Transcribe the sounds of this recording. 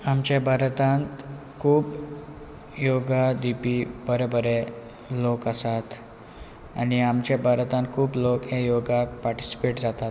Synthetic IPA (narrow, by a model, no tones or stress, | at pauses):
amt͡ɕabʱaɾt̪ãnt̪ | kʰuːp | joɡad̪ipibəɾebəɾe | lokəsat̪ | a̰ɽ̃iamt͡ɕabʱaɾt̪ãnt̪̚kʰuːblokɦejoɡapaɾʈi̥si̥peʈd͡zat̪at̪